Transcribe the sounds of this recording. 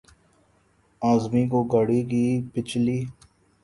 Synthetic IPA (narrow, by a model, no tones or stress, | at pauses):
aːzmiːkoːɡəɽiːkiːpɪt͡ʃliː